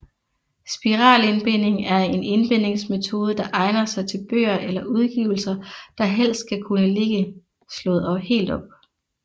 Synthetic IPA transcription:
sb̥iʁɑ̰̈ːlenb̥en̰e̝ŋæɐe̝ne̝nb̥e̝n̰e̝ŋsme̝t͡sʰo̝ːð̞ˠəd̥ɑ̈ʔɑ̈ɪnɐsɑ̈ɪt͡sʰe̝lb̥ø̰ːɐʔelɐʔuð̞ˠɡ̥ḭːʊl̩sɐd̥ɑ̈ɦel̰sd̥̚ɡ̥ʰækʰunəle̝ɡ̥ə | slɔ̽ːð̩ˠɒ̥̽he̝̰ːld̥ɒ̽b̥̚

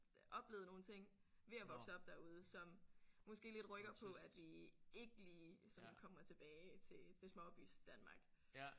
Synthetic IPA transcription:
ʔɒ̽b̥le̝ːðˠno̝ːn̩t͡sʰe̝ŋ̰ | ʋe̝æʋɒ̽ɡ̥səɒ̽b̥̚d̥æɐuð̞ˠəsɒ̽mmɒ̽sɡ̥e̝̰ːle̝d̥ʁœɡ̥ɐpʰɒ̽æd̥ʋie̝ɡ̥əliːsɒ̽nkʰɒ̽mɐt͡sʰe̝b̥ɛːɪt͡sʰe̝t͡sʰe̝smɒ̽ɒb̥y̰sd̥ænmɑ̈ːɡ̥

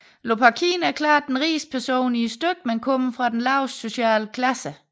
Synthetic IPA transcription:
lo̝pʰɑkʰḭːnæɐkʰlɑ̰̈ːd̥ːenʁiːspʰæɐso̝̰ːniəsd̥øɡ̥̚menkʰɔməfʁɑ̈d̥enlɑ̈ʊsːo̝ɕɛ̰ːləkʰlæsə

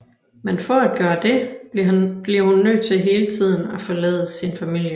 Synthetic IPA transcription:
menfɒ̽æd̥̚ɡ̥ɶːɐd̥e̝ | b̥liɐhunːød̥̚t͡sʰe̝ɦe̝ːlət͡sʰið̞̰ˠn̩æfɒ̽lɛ̰ːðˠəsinfæmil̰jə

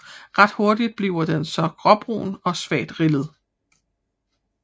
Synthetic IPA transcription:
ʁɑ̈d̥ho̝ɐdid̥̚b̥liʊ̰ɐd̥ensɒ̽ɡ̥ʁɒ̽b̥ʁṵːnɒ̽sʋɛ̰ːd̥ʁilð̞̩ˠ

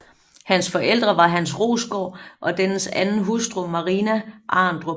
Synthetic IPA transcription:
hænsfɒ̽ʔel̰d̥ʁɐʋɑ̈ɦænsʁo̝̰ːsɡ̥ɒʔɒ̽d̥ensæn̩ɦusd̥ʁumɑ̈ʁiːnæʔɑ̰̈ːnd̥ʁo

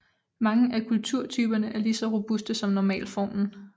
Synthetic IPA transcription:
mɑ̈ŋəʔækʰult͡sʰuɐ̰t͡sʰyːb̥ɐnəʔæɐlisɒ̽ʁo̝b̥usd̥əsɒ̽mnɒmɛ̰ːlfɒ̰nn̩

